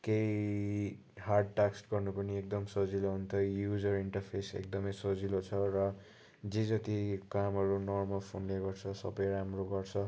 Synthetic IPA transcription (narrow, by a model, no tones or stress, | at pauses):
kej | harɖ̚ʈaksʈɡʌrnupʌniek̚d̪ʌmsʌd͡ziloɦunt̪ʰʌjud͡zʌɾiɳʈʌrpʰesḛk̚d̪ʌmʌjsʌd͡zilot͡sʰʌrʌ | d͡zed͡zʌt̪ikamɦʌɾunɔrmʌlpʰonleɡʌrt͡sʰʌsʌ̰bʌjɾamroɡʌrt͡sʰʌ